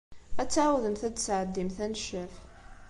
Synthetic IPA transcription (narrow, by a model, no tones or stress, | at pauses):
æt͡sːʕawðəmθæd̪sʕəd̪ːimθænʃəf